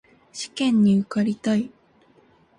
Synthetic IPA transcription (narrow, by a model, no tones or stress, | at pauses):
ɕi̥kẽ̞ɲ̟ːiɯ̟kaɾʲit̪oi